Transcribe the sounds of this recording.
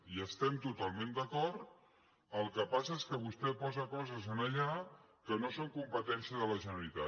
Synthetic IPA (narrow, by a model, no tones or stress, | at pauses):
iəst̪ɛmt̪ut̪alˠmẽnd̪əkɔɾt̪ | əlˠkəpas̬əeskəβ̞ust̪ɛpɔzəkɔzəzənəʎa | kənosoŋkumpət̪ɛnsiəðələʒənəlit̪a